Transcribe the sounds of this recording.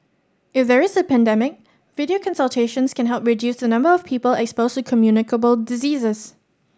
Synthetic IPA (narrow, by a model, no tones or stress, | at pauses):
ɪfðɛɹɪzəpɛ̃ndɛmɪk̚ | vɪɾiokʰɔ̃nsəlˠtʰeʃə̃nskɛ̃nɦɛlˠp̚ɹidjusənʌ̃mbəɔfpʰiːpəlɛkspoʊstukʰəmjunɪkəbəlˠdɪziːzəs